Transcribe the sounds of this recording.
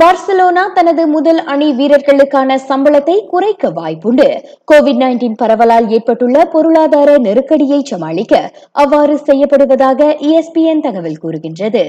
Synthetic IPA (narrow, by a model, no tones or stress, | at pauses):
baːɾsɛloːnaːt̪ɐnɐðɯmʊðɐlɐɳiʋiːɾɐɾɣɐɭɯkːaːnɐsɐmbɐɭɐt̪ːɐɪkʊrɐɪkːɐʋa̰ːjpɯɳɖɯ | koːʋɪɖnɐɪnʈiːnpɐɾɐʋɐlaːleːrpɐʈːɯɭːɐpɔɾɯɭaːðaːɾɐnɛɾɯkːɐɽɪjɐɪt͡ʃɐmaːɭɪkːɐ | ʔɐʋːaːɾɯsɛjːɐpːɐɽɯʋɐðaːɣɐʔiːɛspiɛnt̪ɐɣɐʋɪlkuːɾɯɣɪndrɐðɯ